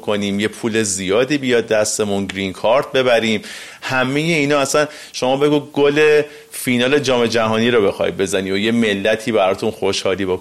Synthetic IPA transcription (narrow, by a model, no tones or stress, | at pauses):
kʰo̞niːmjepʰuːle̞zijɒːd̪iːbijɒd̪̚ːæst̪e̞munɡɾinkʰɒːɾt̪̚be̞βæɾiːm | hæme̞je̞iːnɒːæsæn | ʃo̞mɒːbe̞ɡuɡole̞ | finɒːle̞d͡ʒɒːme̞d͡ʒæɦɒːniːɾobe̞xɒ̰j̰̪̚be̞zæniːoje̞me̞lːæt̪ʰiːβæɾɒːt̪ʰunxo̞ʃhɒːliːbok